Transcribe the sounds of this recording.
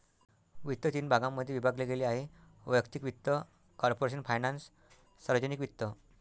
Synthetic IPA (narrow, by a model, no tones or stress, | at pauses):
ʋit̪ːət̪iːnbʱaɡamːəd̪ʱjeʋibʱaɡleɡeleaɦe | ʋəjəkt̪ikʋit̪ːə | kɔɾpoɾeɕ̬ənfʰajnansː | aɾʋəd͡ʑənikʋit̪ːə